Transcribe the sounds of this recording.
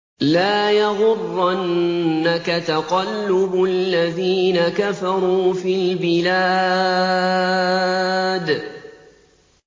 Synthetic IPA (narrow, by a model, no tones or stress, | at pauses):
laːjɑɣʊrːʔanːakat̪aqɑlːʊbʊʔallːaðiːnakafɑɾˤuːfiːlbɪla | d̪